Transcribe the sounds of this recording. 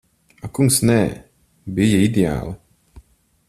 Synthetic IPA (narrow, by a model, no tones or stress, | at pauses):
akuŋksnɛː | bijaid̪ʲea̰ːlˠɨ